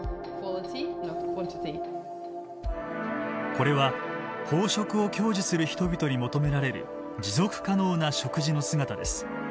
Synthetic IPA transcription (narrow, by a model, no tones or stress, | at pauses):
kʰwɔlˠɪtʰinɔkʰwɔ̃ntɪti | ko̞ɾe̞βa | ho̞ːɕo̞kɯ̟o̞kʲo̞ːʑisɨɾɯ̟çi̥t̪o̞bʲit̪o̞ɲ̟imo̞t̪o̞me̞ɾaɾe̞ɾɯ̰ | d͡ʑizo̞kɯ̟̥kano̞ːnaɕo̞kɯ̟ʑino̞sɨŋat̪ad̪e̞sɨ̥